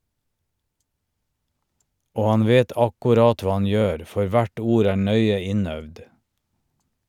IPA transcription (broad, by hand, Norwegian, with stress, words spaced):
ˈoː ˈɑn ˈʋeːt ˈɑkʊˌɾɑːt ˈʋɑː ˈɑn ˈjøːɾ ˈfɔɾ ˈʋæʈ ˈuːɾ ˈæː ˈɳœʏə ˈɪˌnœʋd